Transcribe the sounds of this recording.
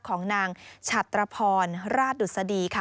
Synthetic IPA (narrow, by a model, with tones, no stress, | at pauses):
kʰɔː˩˦ŋnaː˧ŋt͡ɕʰa˨˩t̪ːɾa˧pʰɔː˧nɾaː˥˩t̪̚du˨˩t̪̚sa˧diː˧kʰa˥˩